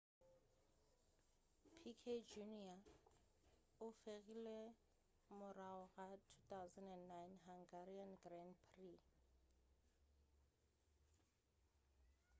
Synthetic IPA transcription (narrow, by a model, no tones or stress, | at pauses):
pʰikʰed͡ʒunia | ʊfeɣile | mʊraɔɣatʰu̥t̪awzandɛnnajnɦaŋɡaɾianɡranpʰri